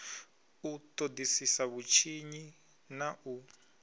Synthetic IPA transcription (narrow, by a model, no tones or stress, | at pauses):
utʼodisisaβut͡ʃʰiɲi | naʔu